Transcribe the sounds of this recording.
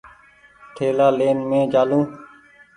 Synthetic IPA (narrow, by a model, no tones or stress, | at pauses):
ʈʰeːlaːleːnmẽːd͡ʒaːlũː